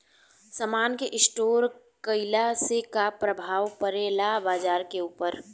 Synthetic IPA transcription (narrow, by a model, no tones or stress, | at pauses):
səmaːnkeʔɪsʈoːɾ | kəɪlasekapɾəbʱaːʋpəɾeːlabaːd͡ʒaːɾkeuːpəɾ